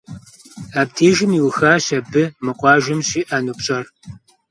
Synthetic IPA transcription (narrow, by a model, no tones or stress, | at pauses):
aːp̚tʰeːʒɪmiwxaːɕɐbɨmɨqʷʼɑːʒɪmɕiːʔɐnuːpɕʼɐr